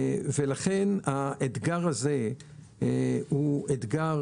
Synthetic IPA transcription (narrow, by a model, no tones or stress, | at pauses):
velaχenaed̪ɡaʁaze | hued̪ɡa